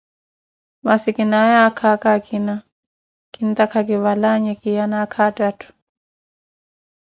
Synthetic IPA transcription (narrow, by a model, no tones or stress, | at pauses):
masikinajakʰakakʰina | kint̪akʰakiwalaɲɛkijanakʰatatu̥